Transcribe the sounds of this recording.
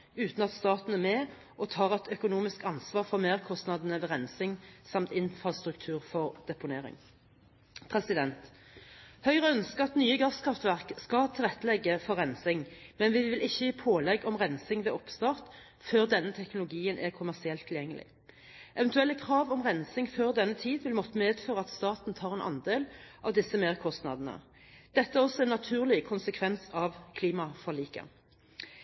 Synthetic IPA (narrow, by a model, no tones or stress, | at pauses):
ʉːt̪nɑt̪st̪ɑːt̪n̩æʁmeː | ʔɔt̪ʰɑːʁɛt̪ʰœkʊnuːmɪskɑnsʋɑːʁfɔʁmeːʁkʰɔst̪nɑd̪ənəʋɛːʁɛnsɪŋsɑmt̪ɪnfʁɑst̪ʁʉk̚t̪ʰʉːʁfɔʁd̪̥ɛpʊneːʁɪ̰ŋ | pʰʁɛsɪd̪ɛnt̪ | hœʏʁəœnskəʁɑt̪nyːəɡɑskʰɑft̪ʋæʁkskɑt̪ʰɪlʁɛt̪ːəlɛɡːəfɔʁɛnsɪŋmɛnʋɪʋɪlʔɪçːəiːpʰoːlɛɡɔmʁɛnsɪŋʋɛɔpst̪ɑːʁt̪ | føːʁd̪ɛnːət̪ʰɛknʊlʊɡiːənʔɛʁkʰʊmæʁsɪɛlt̪ʰːɪljɛŋːəlɪ̰ | ʔɛʋɛnt̪ʉɛlːəkʰʁɑːʋɔmʁɛnsɪŋføːʁd̪ɛnːət̪ʰiːd̪ʋɪlmɔt̪ːəmeːd̪føːʁəɑt̪st̪ɑːt̪n̩t̪ʰɑːʁɛnʔɑ̰nd̪eːlʔɑ̰ʋd̪ɪsːəmeːʁkʰɔst̪nɑ̰d̪ən̩ə̰ | d̪̥ɛt̪ːəæʁɔsːɔɛnɑt̪ʰʉːʁlɪkʰʊnsəkʰʋɛnsɑʋkʰliːmɑfɔʁliːkə̰